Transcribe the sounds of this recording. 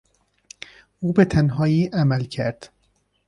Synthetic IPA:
ʔuːbet̪ʰænɦɒːjiːʔæmælcʰæɾd̪̥

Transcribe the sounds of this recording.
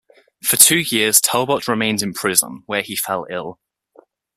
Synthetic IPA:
fətʰʉːjɪəz̥tʰɛlˠbɒʔɹɪmẽɪ̃ndɪ̃mpʰɹ̥ɪzə̰̃nwəifɛlˠɪ̰lˠ

